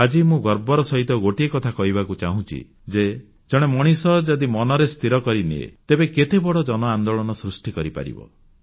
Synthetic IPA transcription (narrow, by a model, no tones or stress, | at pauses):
ad͡ʒimũɡɔɾbɔɾɔsɔɦit̪ɔɡoʈiekɔt̪ʰakɔɦibakut͡ʃaɦũt͡ʃʰḭ | d͡ʒe | d͡ʒɔɽ̃emɔɽ̃isɔd͡ʒɔd̪imɔnɔɾest̪ʰiɾɔkɔɾinḭḛt̪ebeket̪ebɔɽɔd͡ʒɔnɔand̪oɭɔnɔsɾusʈikɔɾipa̰ɾḭbɔ̰